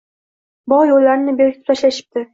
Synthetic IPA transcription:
bɒjolːaɾɪnɪbeɾɡʲɪt̪ʰɪ̥pt̪ʰaʃlaʃɪ̥p̚t̪ɪ

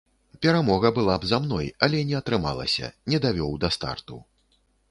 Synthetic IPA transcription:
pʲɛɾamɔɣɐbɨlˠabzamnɔjɐlʲɛnʲɛɐt̪ɾɨma̰lˠɐ̰sʲɐ̰nʲɛd̪avʲɔwd̪ɐst̪a̰rt̪u

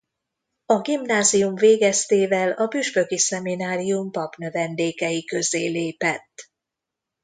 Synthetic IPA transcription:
ɒɡimnaːzijumveːɡɛst̪eːvɛlɒbyʃpø̞kisɛminaːɾijumpɒpnøvɛnd̪eːkɛjikø̞zeːleːpɛt̪ː

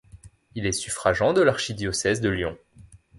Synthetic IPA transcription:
ilɛsyfχaʒɑ̃d̪əlaʁʃid̪jɔsɛzd̪əljɔ̰̃

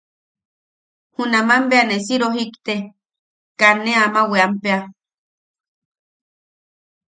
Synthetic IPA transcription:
hunamambeanesiɾoɦikt̪e | kanːeamaweampea

